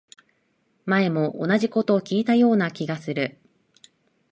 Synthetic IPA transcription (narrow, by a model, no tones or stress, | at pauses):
mae̞mo̞ʔo̰naʑiko̞t̪oːkʲiːt̪ajo̞ːnakʲiɡasɨɾɯ̟